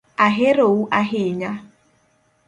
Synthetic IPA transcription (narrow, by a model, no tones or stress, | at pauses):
aɦeɾouʔaɦɪɲa